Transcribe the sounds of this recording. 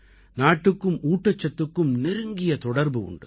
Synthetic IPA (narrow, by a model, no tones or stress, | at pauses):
naːʈːɯkːɯmʔuːʈːɐt͡ʃːɐt̪ːɯkːɯmnɪɾɯŋɡɪjɐt̪ɔɽɐɾbɯʊ̰ɳɖɯ̰